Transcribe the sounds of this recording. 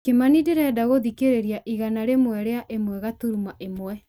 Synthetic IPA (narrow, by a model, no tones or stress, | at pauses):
kemanideɾɛdaɣoðikeɾeɾiaʔiɣanaɾemwɛɾeaʔemwɛɣatuɾumaʔemwɛ